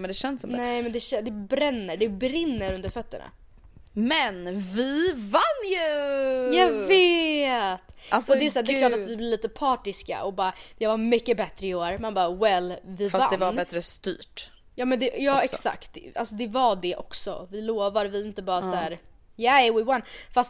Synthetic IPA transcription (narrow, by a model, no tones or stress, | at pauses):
mɛnd̪ɛʃɛnsɔmnɛɪmɛnd̪ɛʃɛd̪ɛbɾɛnːəɖɛbɾɪnːəɾɵnd̪əɾfœt̪ːəɳa̰ | mɛnvɪvanːjʉjave | t̪asɔd̪ɛɛsaːɖ̪ɛklɑːʈʈavɪblɪvliːt̪əpʰɑːʈɪska̰ɔbɑːɾad̪̥ɛvamʏkːəbɛt̪ɾəɪoːɾmanbɑːwɛlvɪfasva̰nd̪ɛvaɾːbɛt̪ɾəst̪y̰ːʈ | jɑːmɛnd̪ɛjɑːɛksa̰kt̪alsɔd̪ɛvaɖɛʔɔksɔ̰vɪloːvaɾvɪɪnt̪əbɑːɾasæːɾ | jawɪwanfast̪